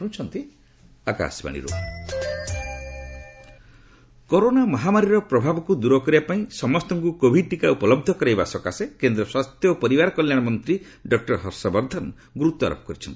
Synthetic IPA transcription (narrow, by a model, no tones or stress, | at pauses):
ũt͡ʃʰɔnt̪i | aka̰sba̰ɽ̃ḭɾṵ | koɾonamɔɦamaɾiɾɔpɾɔbʱabɔkud̪uɾɔkɔɾiapaĩsɔmɔst̪ɔŋkukobʱiʈikaupɔlɔb̚d̪ʱɔkɔɾajbasɔkasekend̪ɾɔswast̪jɔpɔɾibaɾɔkɔljaɽ̃ɔmɔnt̪ɾi | ɖɔk̚ʈɔɾɦɔɾsɔbɔɾd̪ʱɔn | ɡɾut̪ːɔaɾɔ̰pɔ̥kɔɾit͡ʃʰɔnt̪i̥